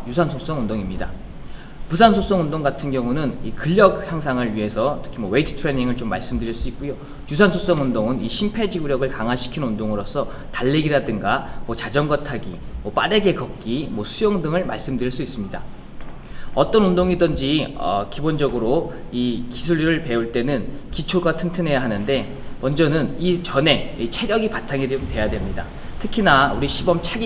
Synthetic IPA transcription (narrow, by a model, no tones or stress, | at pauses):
jusʰansʰos͈ʌŋundoŋimɲida | pusʰansʰos͈ʌŋundoŋɡatʰɯnɡjʌŋunɯnikɯʎːjʌk̚hjaŋs̬ʰaŋɯɭɥiɦe̞sʰʌtʰɯ̥kʰimwʌweitʰɯ̥tʰɾe̞ɲiŋɯɭt͡ɕomːa̰ɭs͈ɯmdɯɾiɭs͈uik̚k͈ujo | jusʰansʰos͈ʌŋundoŋɯniɕʰimpʰed͡ʑiɡuɾjʌɡɯɭkaŋɦaɕʰi̥kʰinundoŋɯɾos͈ʰʌ | taʎːeɡiɾadɯŋɡamwʌt͡ɕad͡ʑʌŋɡʌtʰaɡi | mwʌp͈a̰ɾe̞ɡekʌk̚k͈imwʌsʰujʌŋdɯŋɯɭmaɭs͈ɯmdɯɾiɭs͈uis͈ɯmɲida | ʌt͈ʌnundoŋidʌnd͡ʑiʌ̰kibond͡ʑʌɡɯɾo | ikisʰuɭiɾɯɭpe̞uɭt͈e̞nɯnkit͡ɕʰoɡatʰɯntʰɯne̞jaɦanɯnde̞ | mʌnd͡ʑʌnɯnit͡ɕʌne̞it͡ɕʰe̞ɾjʌɡipatʰaŋidomtwe̞jadwe̞mɲida | tʰɯkʰinauɾiɕʰibʌmt͡ɕʰaɡi